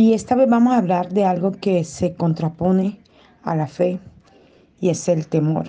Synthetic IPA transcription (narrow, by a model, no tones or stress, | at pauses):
ie̞st̪aβeθbamosaβlaɾðe̞alɣo̞ke̞se̞ko̞nt̪ɾapo̞ne̞ | a̰lafe̞ | ie̞se̞lt̪e̞mo̞̰ɾ